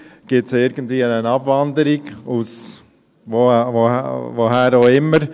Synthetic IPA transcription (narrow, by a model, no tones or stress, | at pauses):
ɡ̥ɪtsɪɾɡən̩tviːənənɑbvɑndəɾiɡus | vovovoɦæːɾoɪmːəɾ